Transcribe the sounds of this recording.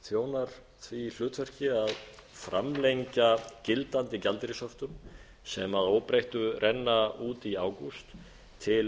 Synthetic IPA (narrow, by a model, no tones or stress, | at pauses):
θjoːwnaɾ̥ | θviːl̥ʏːt̪fɛr̥cɪaðfɾa̰mlejɲcacɪlt̪ant̪ɪcalt̪ɾɪsɔft̪ʏm | sɛmaðoːwpɾejht̪ʏrʔɛnːauːt̪iaːwkust̪ʰː | ɪl